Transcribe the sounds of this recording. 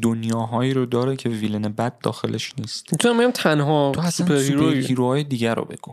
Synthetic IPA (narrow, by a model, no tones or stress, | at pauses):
d̪onjɒːɦɒːjiːɾod̪ɒːɾecʰe̞viːlenebæd̪̚ːɒ̰ːxe̞lʔeʃniːst̪it̪ʰuambiɟæmt̪ʰænɦɒoæsuænpʰesɾuɾpoehiːɾohɒːjed̪iːɟæɾo̰be̞̰ɡ̥u